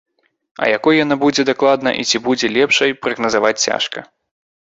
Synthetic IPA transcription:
ɐ̰jakɔjjanabud͡zʲɛd̪aklˠad̪nɐ̰ʔit͡sʲibud͡zʲɛlʲɛpʂɐjpɾɐɣnɐzavat͡sʲt͡sʲa̰ʂkɐ̰

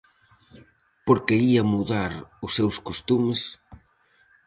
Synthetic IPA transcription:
poɾkeiɐmuðaɾʊsewskost̪umɪs

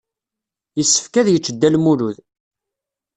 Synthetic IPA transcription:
jəsːə̥fkæðjət͡ʃːəd̪ːælmuluð

